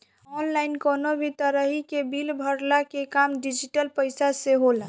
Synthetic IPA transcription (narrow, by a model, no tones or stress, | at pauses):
ɔnlaɪnkonobʱit̪əɾəɦikebilbʱəɾlakekamɖid͡ʒiʈəlpəɪsaseɦola